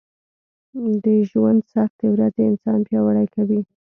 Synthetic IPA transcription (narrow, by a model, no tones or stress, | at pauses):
d̪əʒwand̪saxt̪əwɾazeɪnsɑnpjɑwaɽajkawi